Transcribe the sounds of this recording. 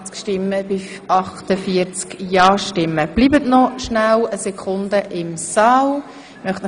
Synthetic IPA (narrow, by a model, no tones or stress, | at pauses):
t͡skʃtɪmːəbɪ | ɑχt̪əfiəɾt͡skjɑːʃtɪmːəb̥liːbətnɔʃnawəsɛkʰχʊnd̪əʔɪmsɑːl | mœχtn